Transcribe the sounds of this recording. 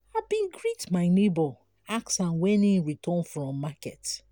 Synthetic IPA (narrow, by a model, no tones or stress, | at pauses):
abĩnɡɹitmaɪnebɔ | aksãnwɛnĩɹitʰɔ̃nfɹɔ̃mːakɛt